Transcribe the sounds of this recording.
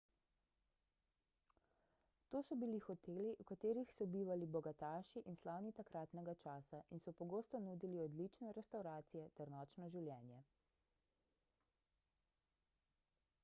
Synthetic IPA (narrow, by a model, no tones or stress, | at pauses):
t̪oːsɔbilixɔt̪eːliʔukat̪eːɾixsɔbiːʋalibɔɡat̪aːʃiʔinslaːwnit̪akɾaːt̪nɛɡat͡ʃaːsaʔinsɔpɔɡoːst̪ɔnuːd̪iliɔd̪lit͡ʃnɛɾɛst̪awɾaːt̪sijɛt̪ɛɾnɔːt͡ʃnɔʒiwljɛːnjɛ